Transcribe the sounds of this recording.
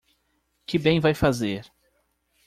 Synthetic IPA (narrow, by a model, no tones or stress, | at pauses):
kɪbẽj̃vajfazeɾ